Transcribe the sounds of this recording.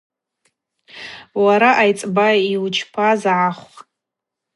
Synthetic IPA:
waɾaʔajt͡sʼbaiwt͡ʃʰpʰazaʕaχʷʼ

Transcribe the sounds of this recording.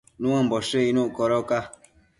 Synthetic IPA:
nũãmboʃeinũʔkoɾoka

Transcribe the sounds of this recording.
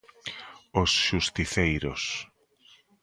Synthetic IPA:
osʃust̪iθejɾo̰s

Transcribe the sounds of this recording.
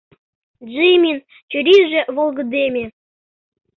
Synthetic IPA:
ʒimʲin | t͡ɕyɾʲiʒĕʔβolɣɤ̆d̪emʲe

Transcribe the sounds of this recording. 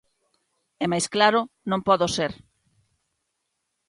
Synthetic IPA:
ɛmajsklaɾʊnõŋpɔðoseɾ

